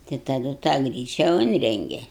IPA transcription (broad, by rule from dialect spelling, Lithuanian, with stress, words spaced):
tɐɪ tɐˈdʊ tɑː ˈɡrʲiːt͡ʃʲɛ ˈʊnʲrʲɛŋʲɡʲɛ